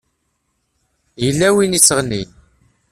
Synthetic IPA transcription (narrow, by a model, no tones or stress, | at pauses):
jəlːæwinit͡sːəʁnin